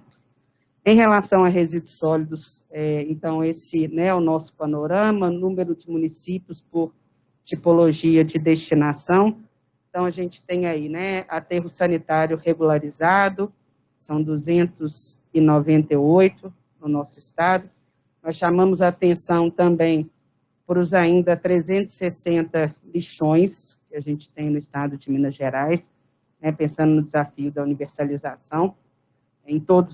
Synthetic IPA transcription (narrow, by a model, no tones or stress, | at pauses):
ẽj̃ɦelasɐ̃w̃ɐɦezid̪ʊsɔlid̪ʊsɛẽnt̪ɐ̃w̃esɪnɛɛʊnɔsʊ̥panoɾɐ̃mɐnũmeɾʊd͡ʒɪmũnisipiʊspoɾ | t͡ʃipoloʒiɐd͡ʒɪd̪est͡ʃinasɐ̃w̃ | ẽt̪ɐ̃w̃ɐʒẽnt͡ʃɪ̥t̪ẽj̃ainɛat̪eɦʊsɐnit̪aɾjʊheɡulaɾizad̪ʊ | sɐ̃w̃d̪uzẽnt̪ʊz | ɪnɔvẽnt̪eojt̪ʊ | nʊnɔsʊɪst̪ad̪ʊ | mɐsʃamɐ̃mʊzaːt̪ẽsɐ̃w̃t̪ɐ̃mbẽj̃ | pɾʊzaĩnd̪ɐt̪ɾezẽnt̪ʊzɪ̥sesẽnt̪ɐliʃõj̃s | kɪaʒẽnt͡ʃɪ̥t̪ẽj̃nʊɪst̪ad̪ʊd͡ʒɪmĩnɐʒeɾajs | nɛpẽsɐ̃nd̪ʊnʊd͡ʒɪzafiʊd̪ɐuniveɾsalizasɐ̃w̃ | ẽj̃t̪od̪ʊ